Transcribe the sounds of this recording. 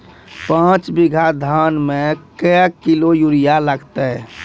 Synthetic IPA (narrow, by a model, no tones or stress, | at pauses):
pãt͡ʃbiɡʱad̪ʱaːnmẽkəəkːilojuɾijaləɡt̪ɛ